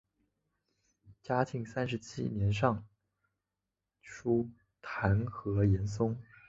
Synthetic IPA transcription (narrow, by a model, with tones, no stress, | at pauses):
t͡ɕja˥t̪ʰi˧˥ŋsa˥nʂ̬ɻ̩˧˥t͡ɕʰḭ˥njɛ˧˥nʂ̬ɑ˥˩ŋ | ʈ͡ʂʰu˥ | t̪ʰa˧˥nxɤ˧˥jɛ˧˥ns̬ʊ˥ŋ